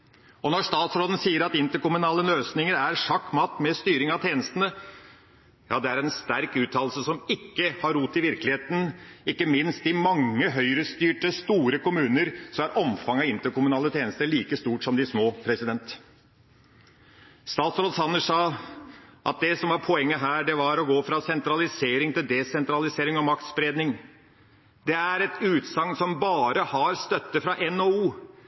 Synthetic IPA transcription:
ɔnɔʂt̪ɑːt̪sɾoːd̪ən̩siːəɾɑt̪ɪnt̪əɾkʊmʉnɑːlənløːsnɪŋəɾæɾʂɑkːmɑːt̪mɛst̪yːɾɪŋɑt̪ʰeːnəst̪ənə | jɑ̰ːd̪ɛæɾɛnst̪æɾkʉːt̪ʰɑːllsəsɔmɪkːəhɑɾːuːt̪ːɪʋɪɾklɪheːt̪n̩ɪkːəmɪnst̪ɪmɑŋːəɦœʏɾəst̪yːʈəst̪uːɾəkʊmʉːnəɾsɔæɾʔɔmfɑŋɑɪnt̪əɾkʊmʉnɑːlət̪ʰeːnəst̪əɭiːkəst̪uːʈʂɔmd̪ɪsmoːpʰɾɛsɪd̪ɛnt̪ | st̪ɑːt̪sɾɔlsɑnːəʂɑː | ʔɑ̰t̪̚d̪ɛsɔmʋɑɾpʰɔɛŋːəɦæːɖɛʋɑɾɔɡoːfɾɑsɛnt̪ɾɑlɪseːɾɪŋt̪ɪld̪ɛsɛnt̪ɾɑlɪseːɾɪŋɔmɑk̚t̪sbɾeːd̪nɪŋ | d̪ɛæɾɛt̪ʉːt̪sɑŋnsɔmbɑːɾəhɑɾst̪œt̪ːəfɾɑʔɛnouː

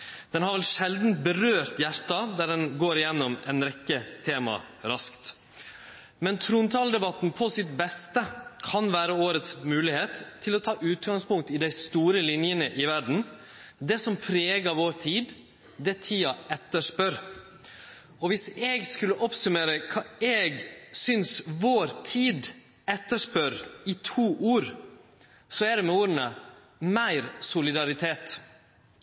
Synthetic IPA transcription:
d̪̥ɛnhɑɾʋɛlʂɛld̪n̩t̪̚bəɾøːɾt̪jæɾʈ̪ɑd̪æɖɛnɡoːɾɪjɛnːɔmɛnɾɛkːət̪ʰeːmɑ̰ | ɾɑskt̪ | mɛnt̪ʰɾuːnt̪ʰɑːld̪ɛbɑt̪n̩pʰɔsɪt̪bɛst̪əkʰɑnʋæːɾəoːɾət̪smʉːlɪheːt̪ʰːɪlɔt̪ʰɑːʔʉːt̪ɡɑŋspʊŋk̚t̪ɪd̪æɪst̪uːɾəlɪnjənəʔɪʋæɖɳ̩ | d̪ɛsɔmpʰɾeːɡəɾʋoːɾt̪ʰiːd̪ | d̪ɛɛt̪ʰiːɑɛt̪ːəʂpœɾ | ɔʋɪsɛɡskʉlːəʔɔpsʉmeːɾəkʰɑːɛːɡsʏnsʋoːɾt̪ʰiːd̪ | ɛt̪ːəʂpœɾɪt̪ʰuːʔuːɾ | sɔæɖɛmɛuːɾənə | mæɪɾsʊlɪd̪ɑɾɪt̪ʰeːt̪

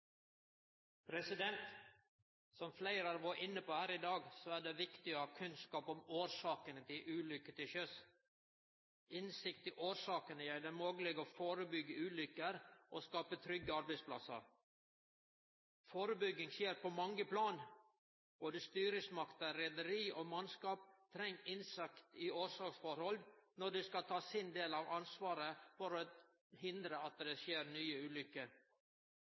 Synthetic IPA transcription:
pʰɾɛsɪd̪ɛnt̪ | sɔmflæɪɾɑɾʋɑːʔɪnːəpoːhæːɾɪd̪ɑːɡsɔæːɖɛʋɪkt̪ɪohɑːkʰʉnskɑːpɔmoːɾʂɑːkənət̪ʰɪlʔʉːlʏkːət̪ɪçøs | ɪnsɪkt̪ɪʔoːɾʂɑːkənəjæɪd̪ɛmoːɡəlɛɡoːfoːɾəbʏɡəʉːlʏkəɾʔoskɑːpət̪ʰɾʏɡəɑɾbɛɪsplɑ̰sə̰ɾ | foːɾəbʏɡːɪŋsjeːɾpʰɔmɑŋːəpʰlɑːn | b̥oːd̪əst̪yːɾɪsmɑkt̪ɑɾɛd̪əɾiːʔomɑnskɑːp̚t̪ʰɾɛŋːɪnsɑkt̪ɪʔoːɾsɑːksfɔɾhɔlnɔɖɛskɑt̪ʰɑːsɪnd̪eːlɑʋɑnsʋɑːɾəfɔɾɔ | hɪnd̪ɾəɑt̪̚d̪ɛsjeːɾnyːəʉːlʏkːə

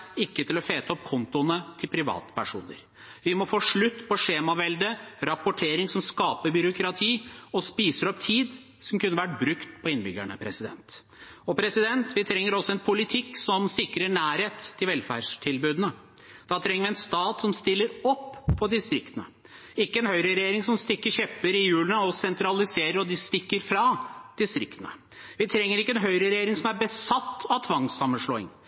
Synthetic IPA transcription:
ɪkːət̪ʰɪlɔfeːt̪əɔpkʰɔnt̪ʊnət̪ʰɪlpʰɾɪʋɑ̰ːt̪ə̥pʰæʂṵːnə̰ɾ | ʋɪmɔfoːʂɭʉt̪ːpʰɔʂeːmɑʋɛld̪əɾɑpʊʈʰeːɾɪŋsɔmskɑːpəɾbʏɾʊkʰɾɑt̪ʰiːɔspiːsəɾɔpt̪ʰiːd̪ | sɔmkʰʉnːəʋæʈ̚bɾʉkt̪pʰɔɪnbʏɡæɳə̰pʰɾɛsɪd̪ɛ̰nt̪ | ɔpʰɾɛsɪd̪ɛnt̪ʋɪt̪ʰɾɛŋːəɾɔsɔɛnpʰʊlɪt̪ʰɪksɔmsɪkɾəɳæːɾheːt̪ʰːɪlʋɛlfæ̰ɖʂʈʰɪlbʉːd̪ənə | d̪̥ɑt̪ʰɾɛŋːəʋɪɛnst̪ɑːt̪sɔmst̪ɪlːəɾɔpʰːɔd̪ɪst̪ɾɪkt̪ənə̰ | ɪkːəɛnhœʏɾəɾɛjeːɾɪŋsɔmst̪ɪkːəçɛpːəɾɪjʉːlənəɔsɛnt̪ʰɾɑlɪseːɾəɾɔd̪ɪst̪ɪkːəɾfɾɑd̪̥ɪst̪ɾɪkt̪ənə̰ | ʋɪt̪ʰɾɛŋːəɾɪkːəɛnɦœʏɾəɾɛjeːɾɪŋsɔmæɾbəsɑt̪ːɑʋt̪ʰʋɑŋsɑmːənʂɭoːɪ̰ŋ

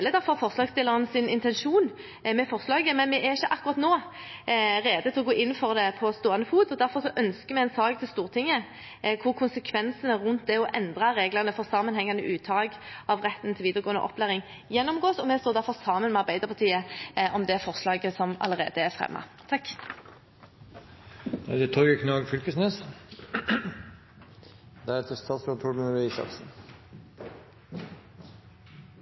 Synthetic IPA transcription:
lːəd̪æɾfɔɾfɔʁslɑːɡst̪ɪlːəʁənəsɪnɪnt̪ʰɛnʃuːn | mɛfɔʁslɑːɡəmɛnmɛæɾɪçəʔɑkːʊɾʁɑt̪noː | ɾeːd̪ət̪ʰɪlɔɡoːʔɪnːfɔɾd̪ɛpʰɔst̪oːɑnəfuːd̪ɔd̪æɾfɔʁsɔʔœnskəmɛɛnsɑːɡt̪ʰɪlst̪uːʁt̪ʰɪŋːə | kʰʊɾkʰʊnsəkʰʋɛnsənəɾʉnt̪̚d̪ɛɔʔɛnd̪ʁɑɾeːɡləʁnəfɔʁsɑːmənhɛŋːɑnəʔʉːt̪ʰɑːɡɑʋʁɛt̪ːn̩t̪ʰɪlʋiːd̪əʁəɡoːənə̰ʔɔ̰pʰːlæɾɪŋ | jɛnːɔmɡoːsɔmɛst̪oːd̪æʁfɔʁsɑːmənmɛɑʁbæɪd̪əʁpʰɑt̪ʰiːəʔɔmd̪ɛæfɔʁslɑːɡəsɔmɑ̰ləʁḛːd̪əæʁfʁɛ̰mːɑ̰t̪ʰɑkː | d̥̪æd̪ɛt̪ʰɔʏəkʰnɑɡfʏlkəsnes | d̪̥æɾɛt̪ʰəst̪ʰɑːsut̪ʰuɖmɛʋɛisɑ̰ksn̩

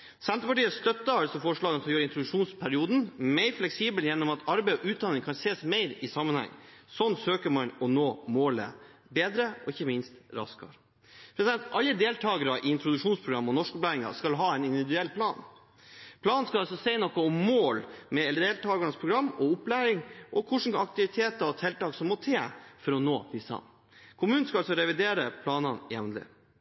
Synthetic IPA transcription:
sɛnt̪əpɑʈiːəst̪œt̪ːəɑlsɔfɔʂɭɑːɡənfʰjøːɾəɪnt̪ɾʊd̪ʉʂuːnspʰæɾɪuːd̪n̩mɛɪɾflɛksiːbəljɛnːɔmɑt̪ɑɾbæɪɔʔʉːt̪̚d̪ɑnɪŋkʰɑnseːsmæɪɾɪsɑmːənhɛ̰ŋːsɔnːsøːkəmɑnɔnoːmoːlə̰beːd̪ɾəɔɪçːəmɪnst̪ɾɑ̰skɑ̰ɾ | pʰɾɛsd̪ɛnt̪ʔɑlːəd̪eːlt̪ʰɑːɡəɾɑʔɪɪnt̪ɾʊd̪ʉʂuːnspʰɾʊɡɾɑmːɔnɔʂkʊplæɪɾɪŋɑ̰skɑlɦɑːɛnɪnd̪ɪʋɪd̪ʉɛlpʰlɑːn | pʰlɑːnnskɑɑlsɔsɛɪnɔkːɔɔmːoːlmɛɛld̪eːlt̪ʰɑːɡɑnəspʰɾʊɡɾɑmːɔʊplæɪɾɪŋʔɔkʰʊʂn̩ɑk̚t̪ɪʋɪt̪ʰeːt̪ɑɔt̪ʰɛlt̪ɑːksɔmːɔt̪ʰeːfɔɾɔnoːd̪ɪsɑ̰n | kʰʊmʉːnn̩skɑɑlsɔɾɛʋɪd̪eːɾəpʰlɑːnɑnjɛ̰ʋnlɪ̰

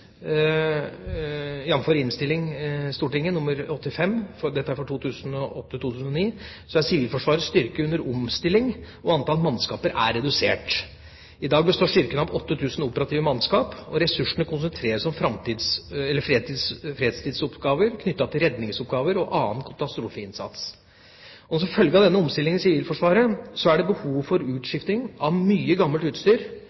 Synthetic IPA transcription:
jɑnføːɾɪnst̪ɪlːɪŋst̪uːʈɪŋːənʊmːəɾɔt̪ːɪfɛmːfɔd̪ɛt̪ːəæɾfɔʈʰuːt̪ʰʉːsən̩ɔʔɔt̪ːət̪ʰuːt̪ʰʉːsn̩ɔniː | sɔæsɪʋiːlfɔʂʋɑːɾəst̪ʏɾkəʉnːəɾɔmst̪ɪlːɪŋ | ɔɑnt̪ʰɑːlmɑnskɑːpəɾæ̰ɾɛd̪ʉseːʈ | ɪd̪ɑːɡ̚bəst̪oːʂʏɾkənɑʋɔt̪ːət̪ʰʉːsn̩uːpəɾɑt̪iːʋəmɑnskɑːpɔɾɛsʉʂəɳəkʰʊns̬ənt̪ʰɾeːɾəsɔmfɾɑmt̪iːd̪sɛlːəfɾeːt̪iːsfɾeːd̪st̪ʰiːd̪sʊpʰɡɑːʋəɾkʰnʏt̪ːɑt̪ʰːɪlɾɛd̪nɪŋsʊpɡɑːʋəɾɔʔɑːnkʰɑt̪ɑst̪ɾuːfəɪnsɑ̰t̪s | ɔnɔsɔfœlɡəɑʋd̪ɛnːəɔmst̪ɪlːɪŋɪsɪʋiːlfɔʂʋɑːɾəsɔæɖɛbəhuːʋfɔɾʉːt̪ʂɪft̪ɪŋɑʋmyːəɡɑmːəlt̪ʉːt̪st̪yːɾ

